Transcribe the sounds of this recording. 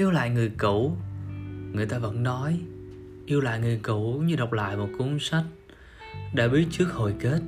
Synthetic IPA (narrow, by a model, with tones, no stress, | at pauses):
i˧əwla̰ː˧˨jŋɨ˨˩əjku˧˩ | ŋɨ˨˩əjt̪aː˧və̰˧˥nnɔ˨˦j | ʔi˧əwla̰ː˧˨jŋɨ˨˩əjku˧˩ɲɨ˧ɗa˨˩wk͡p̚la̰ː˧˨jmo˨˩t̚ku˨˦ŋ͡msa˦˥jk̟̚ | ɗa̰ː˧˥ɓi˨˦ət̚t͡ɕɨ˦˥ək̚ho˨˩jke˦˥t̚